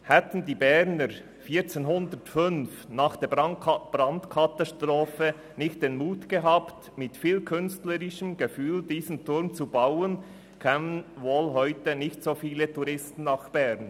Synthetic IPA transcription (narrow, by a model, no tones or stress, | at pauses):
hɛtn̩diːbɛɾnəɾ | fiːt͡seːnɦʊndətfʏnfnɑːχd̥eːb̥ɾɑndkʰɑtastʁoːfə | nɪçtd̥eːnmuːtɡ̥əɦɑːpt | mɪtfiːlkʰʏnstləɾɪʃəmɡefyːldiːzn̩tʊɾmt͡subawən | kʰɛːmənvoːlɦɔʏtənɪçtsoːfiːlətʰuɾʁɪstn̩ːɑχb̥ɛɾn